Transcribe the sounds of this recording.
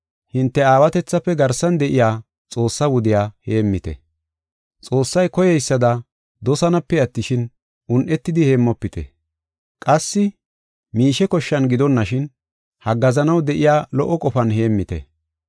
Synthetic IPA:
hɪnt̪ːɛaːwɐt̪ɛt͡sːɐpːɛɡɐɾsɐnd̪ɛʔɪjaː | t͡sʼo̞ːsːɐwʊd̪ɪjaːhe̞ːmːɪt̪ɛ̰ | t͡sʼo̞ːsːɐjkɔjɛjsːɐd̪ɐ | d̪ɔsɐnɐpːɛɐt̪ːɪʃɪn | ʔʊnʔɛt̪ːɪd̪ɪhe̞ːmːɔpːɪt̪ɛ̰ | kʼɐsːɪ | miːʃɛkɔʃːɐnɡɪd̪ɔnːɐʃɪn | hɐɡɐzɐnɐwd̪ɛʔɪjaːlɔʔːɔkʼɔfɐnhe̞ːmːɪt̪ɛ̰

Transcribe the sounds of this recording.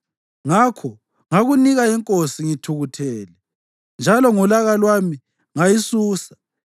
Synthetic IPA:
ŋakʰɔ | ŋaɣuniɣaɛŋkʼosiŋitʰuɣutʰɛːlɛ | nd͡ʒʱalɔŋulaɣalwami | ŋajisuːsḁ

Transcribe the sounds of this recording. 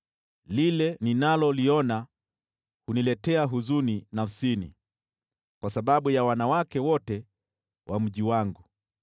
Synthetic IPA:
lilɛninalɔliɔna | hunilɛtɛaɦuzuninafsinḭ | kwasaɓaɓujawanawakɛwɔtɛ | wʔam̩ʄiwaŋɡu

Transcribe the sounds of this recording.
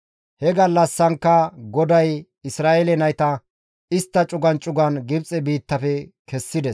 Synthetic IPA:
hɛɡɐlːɐsːɐŋkːɐɡɔd̪ɐj | ɪsɾaːʔelɛnɐjt̪ɐ | ɪst̪ːɐt͡ʃʼʊɡɐnt͡ʃʼʊɡɐnɡɪbt͡sʼɛbiːt̪ːɐfɛkʰɛsːɪd̪ɛs

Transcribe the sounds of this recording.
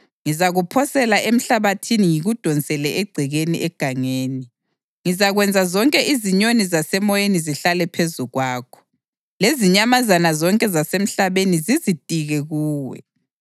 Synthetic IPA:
ŋizaɣupʰɔsɛlaʔem̩ɬaβatʰiniŋiɣud̥ʱɔnt͡sʼɛlɛʔeɡ͡ǀʱiɣenḭʔɛɡ̥ʱaŋeːni | ŋizaɣwɛnd͡zʱazɔŋkʼɛʔiziɲonizasɛmɔjeniziɬalɛpʰezuɣwaːkʰɔ̥ | leziɲamazanazɔŋkʼɛzasem̩ɬaβenizizid̥̚ʼʱiɣɛɣuːwɛ̰

